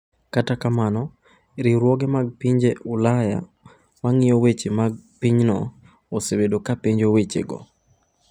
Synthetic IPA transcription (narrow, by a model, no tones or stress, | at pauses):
katakamanɔ | ɾiɾwɔɡɛmaɡ̚piɲd͡ʒeʔulaja̰ | maŋɪjɔwet͡ʃemaɡpiɲnɔ̰ | osebedokapiɲd͡ʒowet͡ʃḛɡɔ̰